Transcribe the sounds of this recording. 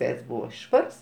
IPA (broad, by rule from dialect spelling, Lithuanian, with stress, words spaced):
ˈʋʲɛɪts ˈbuːʋɐ ˈʃʋɐrs